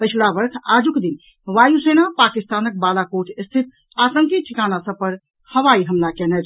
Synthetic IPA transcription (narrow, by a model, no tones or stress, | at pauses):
pət͡ʃʰuɽabəɾkʰad͡ʒukd̪in | ʋajusenapakist̪anək̚balakoʈʰst̪ʰit̪̚ | at̪əŋkit̪̚t͡ʃʰikanasəbpəɾ | həʋaiɦəmlakɛnɛd͡ʒ